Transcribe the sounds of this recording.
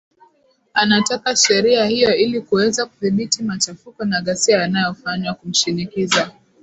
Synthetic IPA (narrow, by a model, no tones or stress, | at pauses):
anatakaʃɛɾiahijɔilikuwɛzakuθiɓitimat͡ʃafukɔnaɠasiajanajɔfaɲwakum̩ʃinikiza